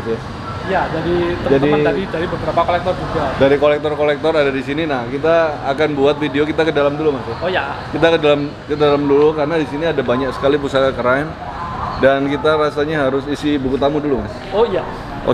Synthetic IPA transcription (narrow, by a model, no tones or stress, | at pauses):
t̪ja | jad͡ʒadit̪əd͡ʒad̪iəadidaɾibəbəɾapakolɛk̚t̪ɔrd͡ʒuɡadaɾikolɛk̚t̪ɔrkolɛk̚t̪ɔradadisininahkit̪aːkanbuat̪̚fideok̬it̪akədalamdulumasaojakit̪akədalamkədalamdulukaɾənadisiniadabaɲak̚sə̥kalip̬usakakəɾan | dankit̪aɾasaɲaɦaɾʊsisibukut̪amudulumas | oija | ʔo̰